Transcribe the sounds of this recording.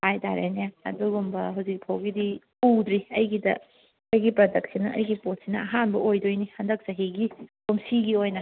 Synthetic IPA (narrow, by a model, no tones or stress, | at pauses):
pʰajta̰ɾḛneɐ̰duɡumbɐɦawzik̚pʰawɡidi | uwdɾiɐjɡidɐ̰ | ɐjɡipɾɐdɐk̚sinɐʔɐjɡipot̚sinɐ̰ɐɦanbɐʔojdojnihɐndɐk̚sɐɦiɡikumsiɡiojnɐ